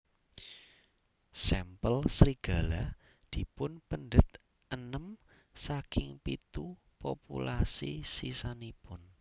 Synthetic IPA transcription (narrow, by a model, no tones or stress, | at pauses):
sɛmpəlsɾiɡ̥a̤la | d̪̥i̤pʊnpənɖ̪ət̪ | ʔənəm | sakɪŋpit̪u | po̰pṵlasisisanipʊn